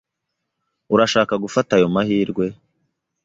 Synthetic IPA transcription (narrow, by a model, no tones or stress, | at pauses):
uɾaʃaːkaɡufatajo̞mahiːɾɡwe̞